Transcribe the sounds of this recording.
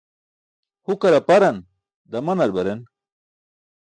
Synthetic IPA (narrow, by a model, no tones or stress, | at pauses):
hukɐɾɐpɐɾɐn | d̪ɐmɐnɐɾbɐɾen